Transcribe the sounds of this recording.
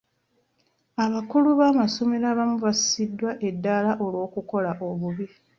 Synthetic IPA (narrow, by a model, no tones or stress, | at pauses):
aβakuluβaːmaso̞meɾaβamuβasi̥sidːwaʔe̞dːalaʔo̞lwo̞ːkuko̞laʔo̞βuβi